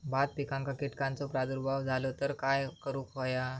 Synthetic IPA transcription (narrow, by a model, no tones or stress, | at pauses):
bad̪̚pikãŋkakiʈkãnt͡sɔpɾad̪uɾbʱaʋd͡zʱalot̪əɾkajkəɾũkʰoja